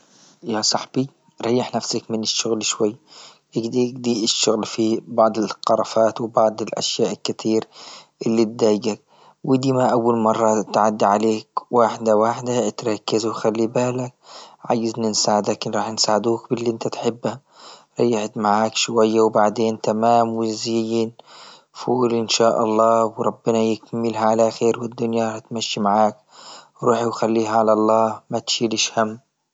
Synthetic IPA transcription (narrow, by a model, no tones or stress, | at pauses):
jasˤɑħbi | ɾˤɑjːɪħnafsakmɪnɪʃːʊɣlʃwajː | ʔɪɡd̪iɡd̪iɪʃːʊɣlfibɑʕd̪ˤɪlqɑɾˤɑfaːt̪wɪbɑʕd̪ˤɪlʔa̰ʃjaːʔkːɪt̪ʰiːɾʔɪlːit̪̚d̪aːjɡak̚ | wɪd̪iːmaʔawːalmɑrˤːɑt̪ʕad̪ːiʕaleːkwaːħd̪awaːħd̪at̪ɾˤɑkːɪzwxalːibaːlak̚ʕaːjːɪznansaːʕɪd̪aknɾˤɑːħnsaːʕɪd̪uːkbɪlːiʔɪnt̪at̪ħɪbːa | ɾˤɑjːaħɪd̪maʕaːkʃwajːawbaʕd̪eːnt̪amaːmwɪzɪjːin | fuːlʔɪnʃaːʔɑ̰lˤːɑːwɾˤɑbːɪnajɪkmːɪlɦaʕalaxeːɾwɪd̪ːʊnjaɾˤɑħt̪maʃːimaʕaːk̚ | ɾuːħiwxalːiːɦaʕalɑlˤːɑːmat̪ʃiːlɪʃhamː